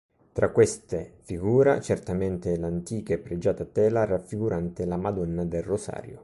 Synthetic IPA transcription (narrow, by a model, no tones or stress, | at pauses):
t̪ɾakːwest̪efiɡuːɾat͡ʃert̪ament̪ɪlant̪iːkaepːɾed͡ʒaːt̪at̪ɛːlarafːiɡuɾʔant̪ɪlamad̪ɔnːad̪elrosa̰ːɾjo